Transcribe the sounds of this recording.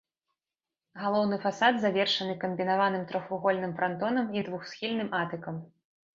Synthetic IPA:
ɣalˠɔwnɨfasad̪zavʲɛrʂɐnɨkɐmbʲinavanɨmt̪ɾɔxvuɣɔlʲnɨmfɾant̪ɔnɐmid̪vuxsʲxʲilʲnɨmʔat̪ɨkɐm

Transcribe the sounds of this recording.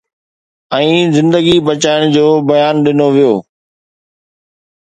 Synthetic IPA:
ɛ̃ːzɪ̃nd̪əɡibət͡ɕaːɪɽ̃d͡ʑoːbɐjaːnɗɪnoʋijoː

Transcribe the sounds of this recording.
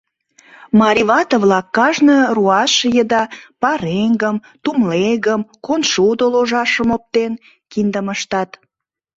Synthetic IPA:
mɑɾʲiβɑt̪əvlɑkːɑʒnəruɑʃjəd̪ɑpɑɾeŋɡəm | t̪umleɣəmkonʃud̪oloʒɑʃəmop̚t̪en | kind̪əməʃt̪ɑt̪

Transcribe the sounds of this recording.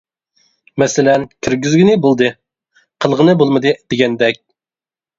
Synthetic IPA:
mɛsɪlɛnkʲʰyɾɡʲyzɡʲinɪbolˠd̪ɨ | qʰəlˠʁənɨbolˠmɨd̪ɨd̪̥eɡʲɛnd̪ɛk̚ʲ

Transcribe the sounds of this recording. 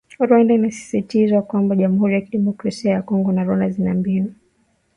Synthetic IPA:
ɾwandainasi̥sitizwakwambaʄamuhuɾijakiɗɛmɔkɾasiajakɔŋɡɔnaɾɔnazinambia

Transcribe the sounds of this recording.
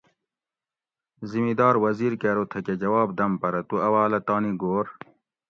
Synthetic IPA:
zimid̪ɑːɾwɐziːɾkeːɾot̪ʰɐked͡ʑɐwɑːb̚d̪ɐmpɐɾɐt̪uɐwaːlɐt̪aːniɡoːɾ

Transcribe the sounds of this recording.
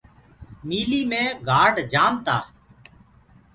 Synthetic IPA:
miːliːmẽːɡʱaːɖd͡ʒaːmt̪aː

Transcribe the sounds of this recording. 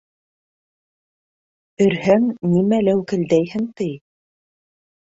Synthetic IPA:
ɵ̆ɾhæŋnimælæwkɘ̆ld̪æjhɘŋt̪ɘj

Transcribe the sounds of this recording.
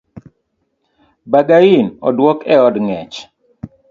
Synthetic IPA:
baɡainɔ̰dwɔkɛɔdŋɛt͡ʃ

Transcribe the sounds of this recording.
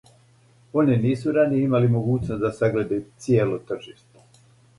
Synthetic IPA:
o̞niniːsuɾaniimalimo̞ɡuːt͡ɕnosd̪asaɡle̞d̪at̪sjeːlot̪r̩ʒiːʃt̪o̥

